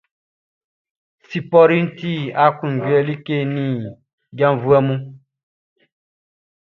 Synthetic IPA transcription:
si˨pɔ˦ɾi˦n̩˦ti˦a˨kũ˨ɡwɛ˦li˦ke˦˨nĩ˦˨ | ɡã˦ɱ˨vu˦ɛ˦mũ˦

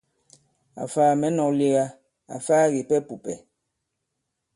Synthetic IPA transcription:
a̰˨faː˦˨mɛ˨˦nɔ˨li˦ɣa˦ | a̰˨faː˦ɣi˨pɛ˦pu˨pɛ˨

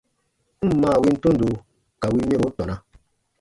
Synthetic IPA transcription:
m̩˦mãː˦˨wi˧˦n̩˦tõ˦n̩˦do˨ | ka˨wi˧mẽ˦bo˨˦tɔ˨nã˧

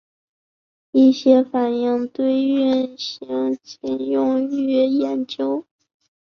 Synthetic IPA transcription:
i˥˩ɕjɛ˥fa˨˩ni˥˧ŋt̪we˥ɪy˥˩nɕi˧˥ŋt͡ɕi˥˩njʊ˥˧ŋyy˥˩jɛ˨˩nt͡ɕjo˥ʊ

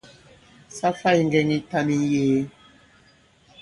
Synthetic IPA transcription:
sa˦fa˦i˨ŋ˨ɡɛ˦ŋi˦ta˦ni˦jeː˨˦

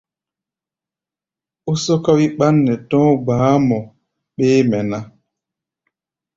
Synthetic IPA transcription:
u˦sɔ˦ka˦wi˦ɓa˦nːɛ˨tɔ̃˦baː˨˦mɔ˨ | ɓeː˦mɛ˨na˦

